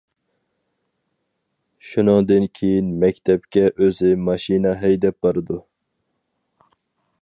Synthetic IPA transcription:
ʃunɨŋd̪ɨnkʲʰejinmɛkʲt̪ʰɛpkʲɛʔøzɪmɑʃinɑɦɛjd̪ɛp̚bɑɾɨd̪u

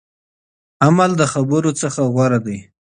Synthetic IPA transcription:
amald̪əxabəɾot͡səxaɣwaɾad̪aj

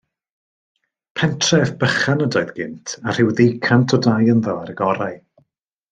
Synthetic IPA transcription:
pʰɛntʰrɛvb̥əχanədɔɨðɡ̥ɪ̰ntʰar̥ɪwðejkʰantʰɔdajənðɔaɾəɡɔɾaj

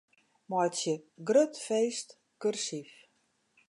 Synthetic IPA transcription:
mɔjtsjəɡrøtfeːst | kørsif

